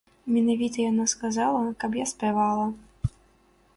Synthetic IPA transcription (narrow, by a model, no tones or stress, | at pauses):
mʲɛnavʲit̪ɐjanaskazalˠɐkɐpjaspʲɛvalˠɐ